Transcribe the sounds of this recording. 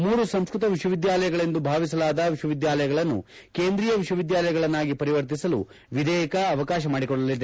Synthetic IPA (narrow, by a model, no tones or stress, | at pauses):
muːɾusɐmskɾut̪ɐʋiʂwɐʋid̪jaːlɐjɐɡɐɭe̞nd̪ubʱaːʋis̬ɐlaːd̪ɐʋiʂwɐʋid̪jaːlɐjɐɡɐɭɐnːṵ | keːnd̪ɾiːjɐʋiʂwɐʋid̪jaːlɐjɐɡɐɭɐnːaːɡipɐɾiʋɐɾt̪̬isɐlṵ | ʋid̪ʱɛːjɐkɐːʋɐkaːʃ̬ɐmaːɽikɔɭːɐlid̪e